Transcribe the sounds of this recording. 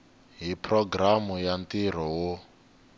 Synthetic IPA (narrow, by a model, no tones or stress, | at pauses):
ɦipʰrɔɡramujantiɾ̤ɔwo